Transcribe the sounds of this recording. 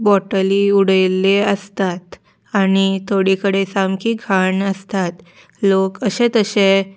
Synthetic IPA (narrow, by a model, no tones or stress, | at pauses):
bɔʈəliuɽəjlːeəst̪at̪ | aɽ̃it̪ʰoɽikəɽesamkʰiːɡʱaɳəst̪at̪ | lokəɕẽt̪əɕe